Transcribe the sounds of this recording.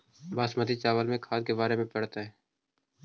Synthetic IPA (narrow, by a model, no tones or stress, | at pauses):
baːsmət̪it͡ʃaːʋəlmẽkʰaːd̪̚kebaːɾemẽpəɽt̪aɦɛː